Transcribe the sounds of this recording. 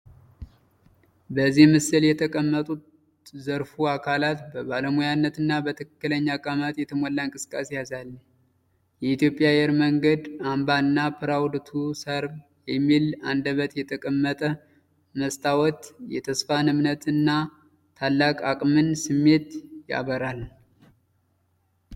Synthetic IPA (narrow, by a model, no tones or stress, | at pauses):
bəzːihmɨsɨljɛt̪ʰəkʼəmːət̪ʼut̪ | zəɾfuakʰalat̪bəβaləmujanːət̪ɨnːabət̪ʰɨkːɨləɲːakʼamat̪jɛt̪ʰəmɔlːaɨŋkʼɨsɨ̥kʼːasejazalːə | jɛit̪jo̞pʼjajɛɾməŋɡəd̪ambaɨnːapʰɨɾawd̪t̪ʰusəɾb | jɛmːiland̪əβət̪jɛt̪ʰəkʼəmːət̪ʼə | məst̪ʰawɔt̪jɛt̪ʰəsfanɨmnət̪ʰɨnːa | t̪ʰalːakʼakʼmɨnsɨmːe̞t̪ja̰βəɾal